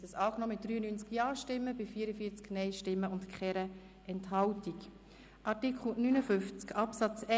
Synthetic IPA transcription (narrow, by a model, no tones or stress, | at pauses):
əsɑːknɔmɪt̚d̥ɾyːənynt͡skjɑːʃtɪmːəbɪfiːəɾəfiːət͡sknɛɪʃtɪmːəʊntkχɛɾə | ʔɛnthɑwtik | ʔɑɾtikχl̩nynəfʏnft͡skʰɑpsɑt͡sɛ